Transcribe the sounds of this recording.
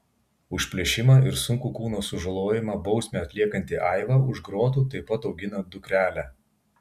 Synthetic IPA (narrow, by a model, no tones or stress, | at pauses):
ʊʃʲpʲlʲɛʃʲɪmɑɪɾsʊŋkuːkuːnoːsʊʒɐlˠoːjɪmɑbɒʊsʲmʲeːɐt̪ʲlʲiɛkɐnʲt̪ʲiʔɐɪʋɑːʊʒɡɾoːt̪̬uːt̪ɐɪpɐt̪ɒʊɡʲɪnɐd̪ʊkɾʲæːlʲæ